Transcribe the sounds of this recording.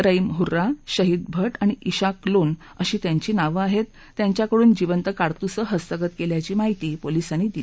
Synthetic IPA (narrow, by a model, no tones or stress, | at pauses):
ɾəimɦuɾaɕəɦiːd̪̚bʱəʈaɽ̃iʔiɕaklon | əɕiːt̪jaɲt͡ɕiːnaʋəaɦet̪ːjaɲt͡ɕjakəɽuːnd͡ʑiʋənt̪əkaɾt̪usəɦəst̪əkət̪keljat͡ɕiːmaɦit̪iːpolisanid̪ili